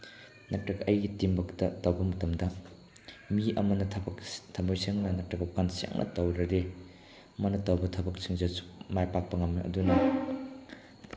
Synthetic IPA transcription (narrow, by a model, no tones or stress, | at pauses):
nɐtɾɐɡɐʔɐjɡitimbɐktɐtɐwbɐmɐtɐmdɐ | miɐmɐnɐtʰɐmbajseŋnɐnɐtɾɐɡɐkansa̰ŋnʔɐ̰tɐwɾɐɾe | ɐmɐnɐtɐwbɐtʰɐbɐk̚siŋzɐsu̥majpak̚pɐŋɐmiʔɐ̰dunɐ